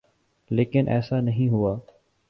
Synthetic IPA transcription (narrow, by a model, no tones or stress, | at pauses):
leːkɪnʔɛ̰ːsaːnəɦĩːɦʊaː